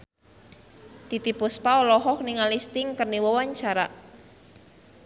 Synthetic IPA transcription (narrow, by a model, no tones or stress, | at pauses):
t̪it̪ipuspaɔlɔɦɔhniŋalist̪ɪŋkərniwɔwaɲt͡ʃaɾa